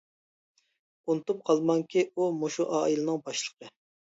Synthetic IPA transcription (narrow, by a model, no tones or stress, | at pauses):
unɨt̪up̚qʰɑlˠmɑŋkʲiumoʃuʔɑːilˠɨnɨŋbɑʃlˠə̥qʰə